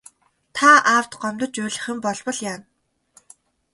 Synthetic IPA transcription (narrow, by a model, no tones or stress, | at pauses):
t̪ʰaaːw̥t̪ɢɔmt̪ɞ̆t͡ɕʊːɮɘ̆χɘ̆mpɔɮpɞ̆ɮjaːn